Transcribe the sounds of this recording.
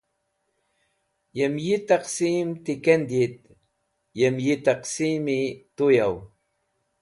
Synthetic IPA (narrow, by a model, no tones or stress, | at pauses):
jemjit̪ɑqsimt̪ikend̪it̪ | jemjit̪ɑqsimit̪ujaw